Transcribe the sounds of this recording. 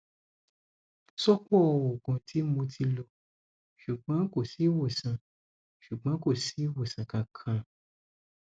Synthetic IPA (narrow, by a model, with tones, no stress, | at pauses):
sɔ˦kɔ˦˧wo˨ɡɔ̃˨tʰi˨˦mo˧tʰi˧lo˧ | ʃu˨ɡ͡bã˨˦ko˦˨si˨˦wo˦˨sã˨ | ʃu˨ɡ͡bã˨˦ko˦˨si˨˦wo˦˨sã˨kã˨kʰã˨˧